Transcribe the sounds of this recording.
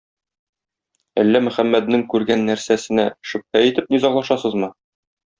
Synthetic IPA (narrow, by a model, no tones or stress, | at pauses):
æ̰lːæmɵ̆χæmːæd̪̚nɘŋkʉɾɡænːæɾsæsɘ̆næʃɵ̆p̚hæit̪ɘp̚nizɑɴlˠɑʃɑsɤzmɤ